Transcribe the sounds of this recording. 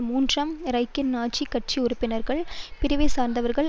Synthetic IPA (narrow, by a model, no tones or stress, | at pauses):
muːndrɐmɪɾɐɪkːɪnnaːʈt͡ʃikːɐʈ̚t͡ʃiʊɾʊpːɪnɐɾɣɐɭpɪɾɪʋeːsaːɾnd̪ɐʋɐɾɣɐɭ